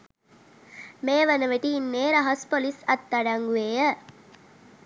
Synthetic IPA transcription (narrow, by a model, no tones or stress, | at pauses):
meːʋənəʋeʈiːnːeːɾɐɦɐspolisɐt̪ːɐɖɐŋɡueːjə